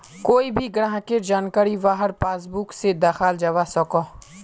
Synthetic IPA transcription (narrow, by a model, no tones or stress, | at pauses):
koːibʱiɡəɽɦãkeɾd͡ʒaːnkaːɾiʋaːɦəɾpaːsbuksed̪aːxaːld͡ʒaʋasəkoː